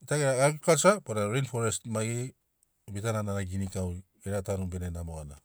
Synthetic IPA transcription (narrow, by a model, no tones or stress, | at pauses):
itaɡeɾaɡakukasapoɾaɾenfoɾestmajɡe | bitanananaɡinikaw | eɾatanubenenamoana